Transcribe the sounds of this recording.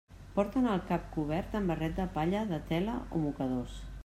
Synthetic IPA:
pɔɾt̪ənəlˠkap̚kuβ̞ɛɾt̪əmbərɛt̪̚d̪əpaʎəðət̪ɛləʔo̰mukəð̞os

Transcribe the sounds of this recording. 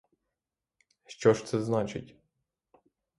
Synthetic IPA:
ʃt͡ʃɔʃt̪sɛznɑt͡ʃɪ̰tʲ

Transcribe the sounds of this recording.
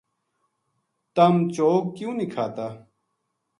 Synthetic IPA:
t̪ɐmt͡ɕoːkkjũːnikʰaːt̪a

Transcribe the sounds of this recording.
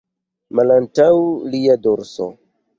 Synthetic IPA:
malantawliadoɾso̰

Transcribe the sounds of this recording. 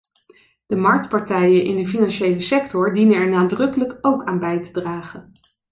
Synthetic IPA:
d̥əmɑɹk̚tpɑɹtɛjənʔɪ̰ndəfinɑnʃejləsɛktɔɹdinənɛɹnaːdrɵkələkowkaːnbɛjtə̥draːχən

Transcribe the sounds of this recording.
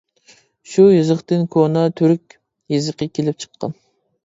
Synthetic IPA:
ʃujɨzəχt̪ɨnkʰonɑt̪ʰyɾkʲ | jizɨqəkʲʰelɪp̚t͡ʃʰə̥qʰːɑ̰n

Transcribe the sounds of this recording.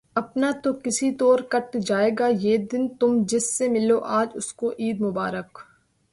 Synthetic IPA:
ɐpnat̪okɪsit̪ɔːɾkɐʈd͡ʒaːeːɡajeːd̪ɪnt̪ʊmd͡ʒɪsːemɪloʔaːd͡ʒʊskoʔiːd̪mʊbaːɾək

